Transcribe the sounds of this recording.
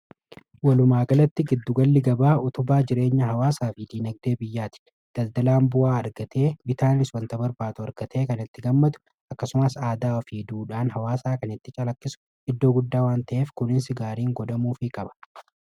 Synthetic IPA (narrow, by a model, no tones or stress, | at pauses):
wɐlʊmaːɡɐlɐt̪ːɪɡɪd̪ːʊɡɐlːɪɡɐbaːʊt̪ʊbaːd͡ʒɪɾe̞ːɲːɐɦɐwaːsaːfɪd̪iːnɐɡ̚d̪e̞ːbɪjːaːt̪ɪ̥ | d̪̥ɐld̪ɐlaːmbʊaːɐɾɡɐt̪ʰe̞ːbɪt̪aːnɪswɐnt̪ɐbɐɾbaːt̪ʊɐɾɡɐt̪ʰe̞ːkɐnɪt̪ːɪɡɐmːɐt̪ʊ̥ | ɐkːɐsʊmɐsaːd̪aːɔfiːd̪uːᶑaːnɦɐwaːsaːkɐnɪt̪ːɪt͡ʃʼɐlɐkːɪsʊ̥ | ɪd̪ːo̞ːɡʊd̪ːaːwaːnt̪ɐʔe̞ːfkʊnɪnsɪɡaːɾiːŋɡɔᶑ̪ɐmuːfɪkʼɐbɐ̥